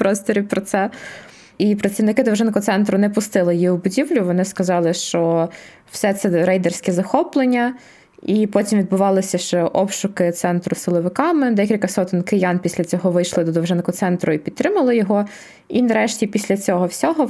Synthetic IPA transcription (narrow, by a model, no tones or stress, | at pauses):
pɾɔst̪ɔɾʲipɾɔt̪sɛ | ipɾɐt̪ʲsʲiwnɪkɪd̪ɔʋʒɪnkɔt̪sɛnt̪ɾʊnɛpʊst̪ɪlˠɪjjiwbʊdʲiwlʲʊʋɔnɪskɐzɑlˠɪʃt͡ʃɔ | w̥sɛt̪sɛɾɛjd̪ɛrsʲkʲɛzɐxɔplˠenʲːɐ | ipɔtʲimʋʲid̪̚bʊʋɑlˠɪsʲɐʃt͡ʃɔʔɔpʃʊkɪt̪sɛnt̪ɾʊsɪlˠɔʋɪkɑmɪd̪ɛkʲilʲkɐsɔt̪ɪnʲkɪjɑnpʲisʲlʲɐt͡sʲɔɦɔʋɪjʃlˠɪd̪ɔd̪ɔʋʒɪnkɔt̪sɛnt̪ɾʊipʲid̪ɾɪmɐlˠɪjɔɦɔ | inɐɾɛʃtʲipʲisʲlʲɐt͡sʲɔɦɔwsʲɔɦɔ